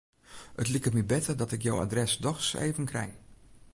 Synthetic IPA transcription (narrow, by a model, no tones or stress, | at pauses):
ətlikəmibɛtədɔtɪkjowa̰drɛsdɔxsḛːvənkrɛ̰j